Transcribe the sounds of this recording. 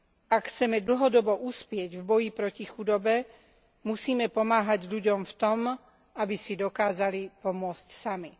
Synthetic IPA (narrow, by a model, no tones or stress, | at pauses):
akxt͡sɛmɛd̪l̩ɦɔd̪ɔbɔʔuspɪɛɟvbɔjipɾɔcixud̪ɔbɛ | musiːmɛpɔmaːɦaɟʎuɟɔmft̪ɔm | abisid̪ɔkaːzalipɔmʊɔt͡scsami